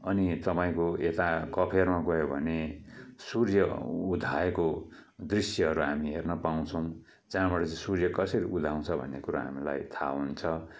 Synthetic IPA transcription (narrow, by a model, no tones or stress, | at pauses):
ʌnit̪ʌpaĩkoet̪akʌpʰermaɡʌɦjobʱʌnesurjʌud̪ʱajeko | d̪risjʌɦʌɾuɦamiɦernʌpaw̃t͡sʰʌw̃ | d͡zaɦãbʌɽʌt͡saĩsurjʌkʌsʌɾiʔud̪ʱaw̃t͡sʰʌbʱʌ̰nːekuɾa̰ɦa̰mila̰jt̪ʰa̰ɦunt͡sʰʌ